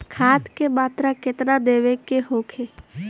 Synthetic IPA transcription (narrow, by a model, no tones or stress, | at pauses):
kʰaːt̪kemaːt̪ɾakɪt̪nad̪eːʋekeɦoːkʰeː